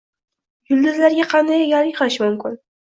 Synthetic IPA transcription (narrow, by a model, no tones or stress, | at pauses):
jʊlˠd̪ɪzlaɾɡʲaqʰɑnd̪ajɡʲɒɾɪqʰɑɪʃmʊmkʲɪn